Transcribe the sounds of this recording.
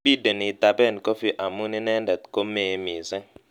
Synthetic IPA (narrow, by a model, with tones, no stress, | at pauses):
bi˦də˨ni˨t̪a˨bɛ˦˨nko˦fi˦ʔa˨mu˦ni˦nɛ˦ndɛ˨t̪̚ko˦me˨˦mi˨sɛ˦